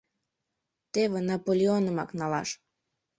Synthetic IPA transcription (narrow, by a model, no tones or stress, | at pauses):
t̪eβĕnɑpolʲeonəmɑknɑlɑ̰ʃ